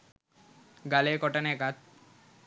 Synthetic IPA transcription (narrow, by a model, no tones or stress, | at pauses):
ɡalekɔʈanekat̪̚